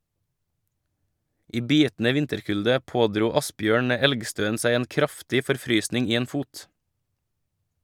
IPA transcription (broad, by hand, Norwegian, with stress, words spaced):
ˈiː ˈbiːtn̩ə ˈʋɪntəɾˌkʉldə ˈpoːˌdɾuː ˈɑsˌbjøːɳ ə ˈɛlɡˌstøːən ˈsæɪ ˈeːn ˈkɾɑftɪ fɔɾˈfɾyːsnɪŋ ˈiː ˈeːn ˈfuːt